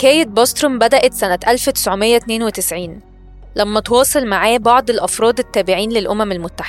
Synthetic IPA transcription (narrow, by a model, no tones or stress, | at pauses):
kæːjet̪̚bɑst̪ɾombæd̪æʔæt̪sænæt̪ʔælfwet̪ɪ̥sʕomejːæt̪neːnwet̪ɪsʕiːn | læmːæt̪wɑːsˤelmaʕaːbɑʕd̪ˤelʔɑfɾˤɑːd̪et̪ːæːbɪʕiːnlelʔomæmelmot̪ːaħe̥æ